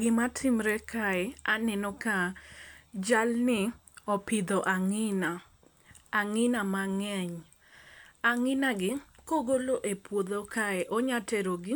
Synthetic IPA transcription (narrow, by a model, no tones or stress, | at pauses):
ɡɪmatʰɪmɾɛkʰaɛanɛnɔka | d͡ʒalnɪɔpɪd̪ɔʔaŋɪnaː | ŋɪnamaŋɛɲ | aŋɪnaɡɪkoɡoloʔepwod̪okaɛʔɔɲatɛɾoɡɪ